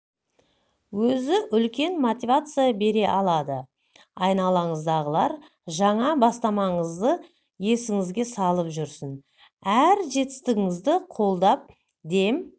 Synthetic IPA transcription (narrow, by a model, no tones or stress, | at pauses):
wɵzɪʔʏlkʲe̞nmot̪ʲivat̪sɨjabe̞ɾe̞ʔɑlˠɑd̪ə | ɑjnɑlˠɑɴəzd̪ɑʁəlˠɑɾ | ʒɑɴɑbɑst̪ɑmɑɴəzd̪ə | je̞sɪŋɪzɡʲe̞sɑlˠəpʒʏɾsən | æɾʒe̞t̪ɪ̥st̪ɪɡʲɪŋɪzd̪ɪqʰo̞lˠd̪ɑp̚ | d̪e̞m